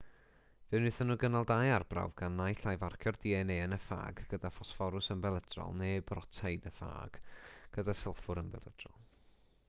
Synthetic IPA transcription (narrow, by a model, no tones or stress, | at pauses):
vɨnɨθənuɡənalˠdajarbra̰wvɡ̥anːajɬajvarkʰjɔrd̥iːɛneənəfa̰ːɡɡ̥ədafɔsfɔɾʊsəmbɛlˠədrɔ̰lˠnebrɔtʰajdəfa̰ːɡ̥ɡ̥ədasɛlˠfʊɾənbɛ̰lˠəd̥rɔ̰lˠ